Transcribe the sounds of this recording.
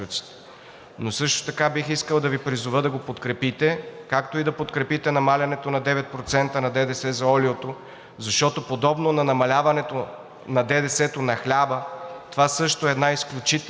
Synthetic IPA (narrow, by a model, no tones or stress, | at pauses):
ut̪si̥t̪ɛ̥ | nosɤʃt̪o̥t̪ɐkabixiskəlˠd̪ɐvipɾizʊvəd̪ɐɡopot̪kɾɛpit̪ɛkakt̪oid̪ɐpot̪kɾɛpit̪ɛnɐmalʲɐnɛt̪onɐd̪ɛvɛt̪̚pɾot̪sɛnt̪ənɐd̪ɛd̪ɛsɛzɐɔliot̪o | zɐʃt̪ɔt̪opod̪ɔbnonɐnɐmɐlʲavɐnɛt̪o | nɐd̪ɛd̪ɛsɛt̪onɐxlʲabət̪ovasɤʃt̪oɛd̪naisklʲut͡ʃit̪